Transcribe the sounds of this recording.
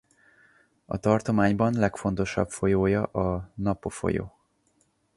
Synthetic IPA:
ɒ̰t̪ɒrt̪o̞maːɲbɒnlɛkfo̞n̪t̪o̞ʃɒ̰pfo̞joːjɒʔɒnɒpo̞fo̞̰jo̰ː

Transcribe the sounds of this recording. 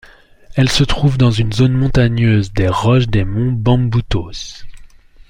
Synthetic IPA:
ɛlsət̪χuvd̪ɑ̃zynzonmɔ̃t̪aɲøzd̪eʁɔʃd̪emɔ̃bɑ̃but̪os

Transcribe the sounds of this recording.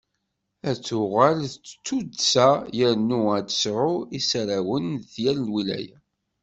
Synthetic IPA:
æt͡sːʊʁalθt͡sːt͡sːud̪sæjəɾnuæd̪ə̥sɾʊisɾawənðjælnwilæ̰jæ̰

